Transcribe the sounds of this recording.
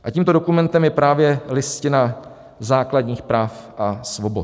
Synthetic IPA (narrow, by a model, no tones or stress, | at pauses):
ʔaciːmt̪o̞do̞kumɛnt̪ɛmjɛpɾaːvjɛlɪscɪna | zaːkladɲiːxpɾaːfʔasvo̞bo